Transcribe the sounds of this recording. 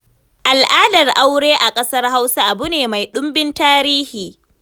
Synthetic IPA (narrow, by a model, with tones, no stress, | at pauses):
ʔa˨lʔaː˦dɐ˨rʔa˦wɽeː˦ʔa˨kʼɐ˦sɐ˦rɦa˦wsa˦ʔa˨bʊ˦neː˨ma˨jɗʊ˦mbɪ˦ntaː˦ɾiː˦hiː˨